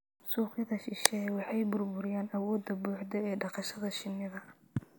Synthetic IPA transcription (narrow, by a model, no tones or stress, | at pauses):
suːqɪðɐʃɪʃɛjwɑħɑjbʊrbʊɾɪjaːnɐwɔːd̪ɐbuːħd̪ɛɛːɖɑqɑʃɐðɐʃɪnːɪðɐ